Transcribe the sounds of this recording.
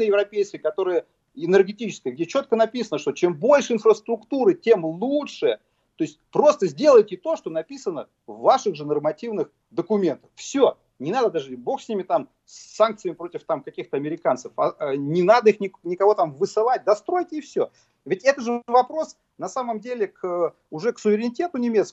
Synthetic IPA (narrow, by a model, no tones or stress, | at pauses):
əjɪvɾɐpʲejskʲəjkɐt̪o̞ɾɨjə | ɪnɨrɡʲɪtʲit͡ɕɪ̥skəjəɡ̚dʲet͡ɕo̞t̪̚kənɐpʲisənəʂt̪ot͡ɕe̞mbo̞lʲʂɨɪnfrəst̪ɾʊkt̪uɾɨtʲe̞mlˠutʂɨjə | t̪o̞ɪsʲtʲpɾo̞st̪əzʲdʲe̞lˠəjtʲɪt̪o̞ʂt̪o̞nɐpʲisənə | vːaʂɨɣʐɨnərmɐtʲivnɨx | d̪əkʊmʲe̞nt̪ə̥ffsʲo | nʲɪnad̪əd̪aʐɨbo̞xsʲnʲimʲɪt̪am | sːank̚t̪sɨjəmʲɪpɾotʲɪft̪amkɐkʲixt̪əɐmʲɪɾʲɪkant̪səfɐnʲɪnad̪əixnʲɪnʲɪkɐvo̞t̪amvɨsɨlˠat̚ʲd̪ɐst̪ɾo̞jtʲɪːfsʲo | vʲɪtʲɛt̪əʐɨvɐpɾo̞s | nɐsaməmdʲelʲɪkə | ʊʐɛksʊvʲɪɾʲɪnʲɪtʲet̪ʊnʲɪmʲet̪sk